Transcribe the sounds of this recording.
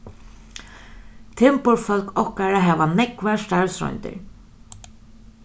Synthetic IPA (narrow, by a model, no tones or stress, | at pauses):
t̪ʰɪmpʊɾfœlkɔhkaɾaɦɛːʋanɛkʋast̪aɹsɾɔ̰jnt̪ɪ̰ɹ